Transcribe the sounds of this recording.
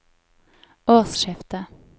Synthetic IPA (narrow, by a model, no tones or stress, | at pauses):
oːʁsʃɪft̪ə